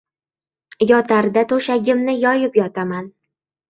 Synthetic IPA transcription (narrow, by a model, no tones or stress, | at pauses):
jɒt̪ʰaɾd̪at̪ʰoʃaɡʲɪmnɪjɒjɪpjɒt̪ʰaman